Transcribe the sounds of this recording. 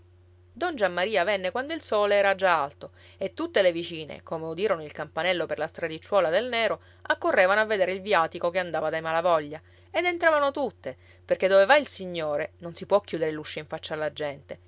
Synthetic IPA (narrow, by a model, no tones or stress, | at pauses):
d̪ɔnd͡ʒamːaɾiːavɛnːekwand̪oilsoːleɛːɾad͡ʒaalt̪oet̪ːut̪ːelevit͡ʃiːnḛkomeud̪iːɾonoilkampanɛlːoperlast̪ɾad̪it͡ʃːwɔːlad̪elnɛːɾo | akːorːeːvanoavːed̪eːɾeilvjaːt̪ikokeand̪aːvad̪ajmalavɔʎːa | ed̪ent̪ɾaːvanot̪ut̪ːe | perked̪ːovevailsiɲːoːɾenonsipwɔkːjuːd̪eɾeluʃːoiɱfat͡ʃːaːlːad͡ʒɛnt̪e